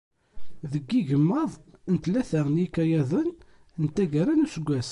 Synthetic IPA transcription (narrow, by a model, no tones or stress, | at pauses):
ðəɡːiʝəmːɑəðˤənt̪læθəʁnikːæjæðˤən | nt̪æɡəɾænusəɡʷːæs